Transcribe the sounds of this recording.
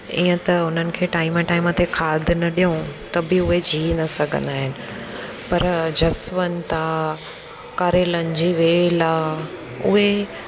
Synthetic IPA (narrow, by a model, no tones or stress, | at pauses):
iːə̃t̪ɐʊn̤ənɪ̆kʰeːʈaːɪmə̃ʈaːɪmə̃t̪ʰekʰaːd̪ʱɪnɐɗijũt̪ɐbɪʊɦed͡ʑʱiːnɐsɐɡʱə̰̃nd̪aːɦɪnɪ̆ | pɐɾd͡ʑɐsʋənɪ̆t̪ã | kaːɾeːlənɪ̆d͡ʑiːʋeːlaː | ʊ̰ɦe